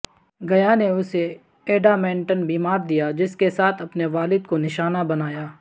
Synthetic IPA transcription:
ɡɐjaneʊse | eːɖamɛ̃ːɳʈənbiːmaːɾd̪ijad͡ʒɪskesaːt̪ʰɐpneʋaːlɪd̪̚konɪʃaːnabɐnaːjaː

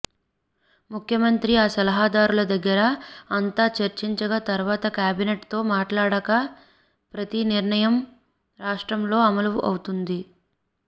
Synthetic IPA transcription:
mukʰjɐmɐnt̪ɾiaːsɐlɐɦaːd̪aːɾulɐd̪ɐɡːɐɾɐːnt̪aːt͡ʃɐɾt͡ʃiɲt͡ʃɐɡat̪ɐɾʋaːt̪ɐkʲjaːbineʈt̪o̞ːmaːʈlaːɽɐkɐ | pɾɐt̪iniɾɳɐjɐm | ɾaːʂʈɾɐmlo̞ːɐmɐluuʔɐ̰wt̪und̪i

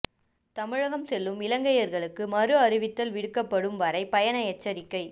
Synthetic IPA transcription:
t̪ɐmɪɻɐɣɐmsɛlːɯmɪlɐŋɡɐjɐɾɣɐɭɯkːɯmɐɾɯɐɾɪʋɪt̪ːɐlʋɪɽɯkːɐpːɐɽɯmʋɐɾɐɪpɐjɐnɐjɛt͡ʃːɐɾɪkːɐɪ

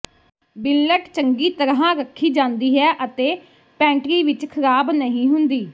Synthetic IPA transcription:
bɪlːəʈt͡ʃəŋɡiːt̪əɾɦãːɾəkʰːiːd͡ʒãːnd̪iːɦɛːʔət̪eː | pɛ̃ːɳʈɾiːʋɪt͡ʃkʰəɾaːbnəɦĩːɦʊnd̪iː

